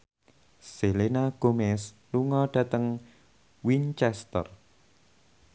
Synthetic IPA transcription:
selenaɡ̥omɛs | luŋɔɖ̥a̤t̪əŋ | wint͡ʃɛst̪ə̰r

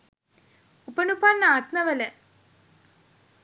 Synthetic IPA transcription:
upɐnupaːnːaːt̪mɐʋɐlɐ

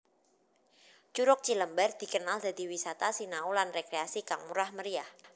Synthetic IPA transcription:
t͡ʃuɾʊk̚t͡ʃiləmbərd̪̥i̤kənald̪a̤d̪i̤wisat̪asinaulanrekɾeasikaŋmuɾahməɾiah

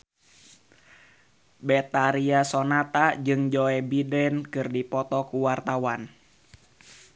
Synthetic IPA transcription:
bɛt̪aɾiasɔnat̪ad͡ʒɨŋd͡ʒɔɛbidɛnkɨrdipɔt̪ɔkuwart̪awan

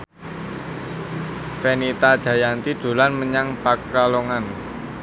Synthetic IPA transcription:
fɛnit̪ad̥ʒ̥a̤jant̪id̪̥o̤lanməɲaŋpakaloŋan

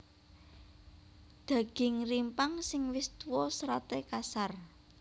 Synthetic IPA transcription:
d̪̥a̤ɡ̥ɪ̤ŋrimpaŋsɪŋwɪst̪wɔsɾat̪ekasar

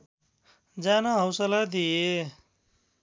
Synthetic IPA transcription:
d͡zanʌɦʌwsʌlad̪ije

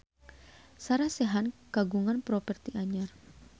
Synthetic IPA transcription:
saɾaseɦanɡ̥aɡuŋanpɾopɛrt̪iʔaɲar

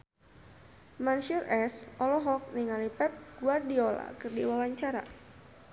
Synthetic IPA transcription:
manʃurʔɛsʔɔlɔɦɔk̚niŋalipɛp̚ɡ̥uardiola̰kɨrdiwawaɲt͡ʃaɾa̰

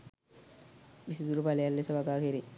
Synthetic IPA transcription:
ʋisid̪uɾupalejalːesɐʋaɡaːkeɾi

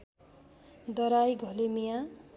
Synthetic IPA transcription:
d̪ʌɾajɡʱʌlemija

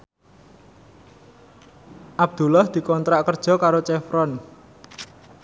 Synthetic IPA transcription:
ʔab̚d̪̥ṳlahd̪̥i̤kɔnt̪ɾaʔkərd̥ʒ̥ɔ̤kaɾot͡ʃɛfɾɔn

